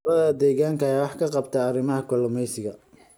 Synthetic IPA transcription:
ɐðɐd̪ɛːɣaːŋkʰɐɛwɑħkʰɐqɑbt̪ʰɐːrɪmɐɦɐkʰɔlɔmɛjsɪɣɐ

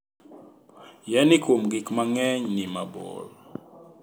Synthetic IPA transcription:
jɛnikʰomɡikmaŋɛɲnimabɔ̰l

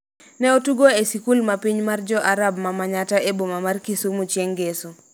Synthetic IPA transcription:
nɛotuɡoesikulmapiɲmard͡ʒɔʔaɾab̚mamaɲataebomamarkisumut͡ʃjeŋɡesu

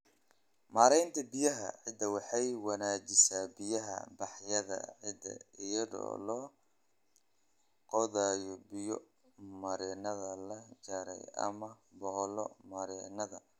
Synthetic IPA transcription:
maːɾɛjnt̪ʰɐbɪjɐɦɐ̰ʕɪd̪ɐwɑħɑjwɑnaːt͡ʃɪsaːbɪjɐɦɐ̰bɑħjɐðɐ̰ʕɪd̪ɐ̰ɪjɐðɔ̰ːlɔ | qɔðaːjɔbɪjɔ | mɐɾɛnɐðɐlɐt͡ʃaːɾɛ̰jɐ̰mɐbɔhlɔmɐɾɛnɐðɐ

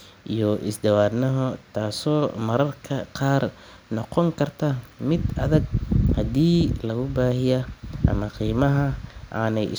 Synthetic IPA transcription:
ʔijɔʔɪsd̪ɐwaːdnɐɦɔt̪ʰaːsɔːmɐɾɐrkʰɐqɑːr | nɔqɔŋkʰɐrt̪ʰɐmɪd̪ɐðɐɡ̚hɐd̪iːlɐɣʊbaːhɪjɐʔɐ̰mɐqiːmɐɦɐʔaːnɛjɪ̰

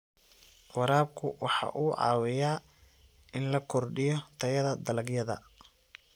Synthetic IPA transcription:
wɑɾaːb̚kʰʊwɑħɑ̰ːʔuːʕɑ̰ːwɪjaː | ɪnlɐkʰɔrɖɪjɔt̪ʰɐjɐðɐd̪ɐlɐɡjɐðɐ̰

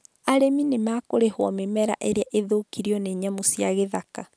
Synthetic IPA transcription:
aɾeminemaːkoɾehwɔmemɛɾa̰ʔeɾeaʔeðokiɾiɔneɲamosjaɣeðaka

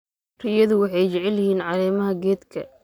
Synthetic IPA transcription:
rɪjɐðʊwɑħɑjt͡ʃɛʕɛljɪhiːnʕɑɾɛːmɐɦɐɡɛːd̪kʰɐ̰

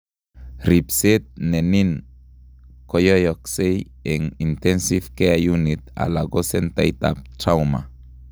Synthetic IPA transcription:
ɾipset̪̚nenin | kojojɔksej | ɛŋint̪ɛnsivkeajunit̪̚a̰laɡosɛnt̪ajt̪a̰p̚tɾawma̰

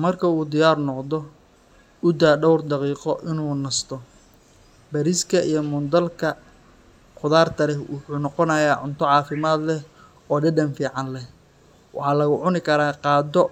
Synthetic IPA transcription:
mɐrkʰɐuːd̪ɪjaːrnɔqd̪ɔ | ʊd̪aːɖɔwrd̪ɑqiːqɔʔɪnuːnɐst̪ʰɔ | bɐɾiskʰɐijɞmʊnd̪ɐlkʰɐ | qʊðaːrt̪ʰɐlɛwʊħuːnɔqɔnɐjaːʕʊnt̪ʰɔʕɑːfɪmaːd̪lɛ | ɔːɖɛɖɐnfiːʕɑnlɛh | wʔɑ̰ħɑːlɐɣʊʕʊnɪkʰɐɾaːqɑːd̪ɔ

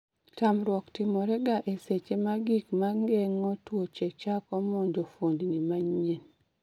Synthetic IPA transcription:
tamɾwɔktɪmɔɾɛɡaʔeset͡ʃemaɡikmaŋɡɛŋɔtwot͡ʃekt͡ʃakɔmondofondinimaɲen

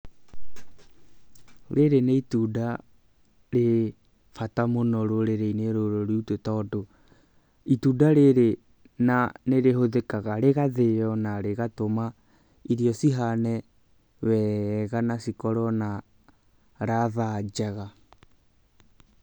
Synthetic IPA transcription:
ɾeɾeneituda | ɾe | fatamonɔɾoɾeɾeineɾoɾoɾiutotɔːdo | itudaɾeɾe | naneɾehoðekaɣaɾeɣaðejɔnaɾeɣatoma | iɾjɔsiɦanɛ | wɛɣanasikɔɾɔna | ɾaðad͡ʒaɣa

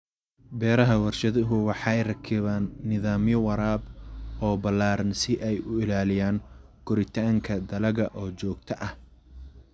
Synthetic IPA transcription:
bɛːɾɐɦɐwɑrʃɐðɪɦʊwɑħɑjrɐkʰɪβaːnːɪðaːmjɔwɐɾaːbɔːbɐlaːɾɐnsɪʔɛjʊɪlaːlɪjaːŋ | ɡ̥ʊɾɪt̪ʰaːŋkʰɐd̪ɐlɐɣɐʔɔːt͡ʃɔːɡt̪ʰɐʔɐh

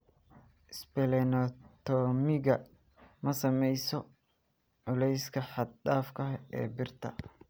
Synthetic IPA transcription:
ɪspɛlɛnɔt̪ʰɔːmɪɣɐ | mɐsɐmɛjsɔ | ʕʊlɛjskʰɐħɑd̪̚daːfkʰɐɛ̰ːbɪrt̪ʰɐ̰

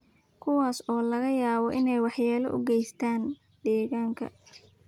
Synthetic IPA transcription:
kʰʊwaːsɔːlɐɣɐjaːβɔʔɪnɛjwɑħjaːlɐ̰ʔʊ̰ɡɛjst̪ʰaːn | ɖɛːɣaːŋkʰɐ̰

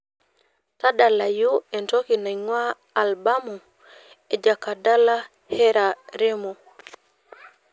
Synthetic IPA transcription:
taɗalajuɛntokinaŋwaː | lbamu | ɛd͡ʒakːadala | hɛɾaɾemo

